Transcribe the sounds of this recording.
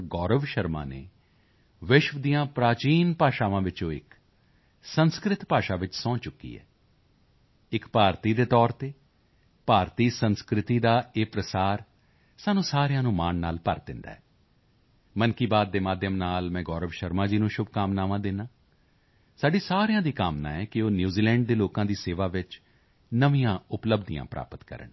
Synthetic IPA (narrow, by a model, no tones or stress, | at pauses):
ɡɔːɾəʋʃəɾma̰ːnḛː | ʋɪʃʋəd̪iːjãːpɾaːt͡ʃiːnpaːʃaːʋãːʋɪt͡ʃõːɪ̰k | sənskɾɪt̪paːʃaːʋɪt͡ʃsɔ̃ːt͡ʃʊkːḭːɦɛ̰ː | ɪkpaːɾt̪iːd̪eːt̪ɔːɾt̪eː | paːɾt̪iːsənskɾɪt̪iːd̪aːeːpɾəsaːɾ | saːnũːsaːɾjãːnũːmaːnnaːlpə̰ɾd̪ɪ̃nd̪a̰ːɦɛː | mənkiːbaːd̪ːeːmaːd̪ʱjəmnaːlmɛ̃ːɡɔːɾəʋʃəɾmãːd͡ʒiːnũːʃʊb̚kaːmnaːʋãːd̪ɪnãː | saːɖiːsaːɾejãːd̪iːkaːmna̰ːɛːkɪoːnjuːziːlɛ̃ːɳɖ̚d̪eːloːkãːd̪iːseːʋaːʋɪt͡ʃ | nəʋĩjãːʊpləbd̪ijã̰ːpɾʔa̰ːpət̪kə̰ɾə̰ɳ